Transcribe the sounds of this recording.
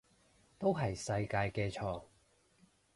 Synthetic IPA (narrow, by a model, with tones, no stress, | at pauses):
t̪o˥wɦɐ˨jsɐ˧jkaː˧jkɛː˧t͡ʃʰɔː˨˩ŋ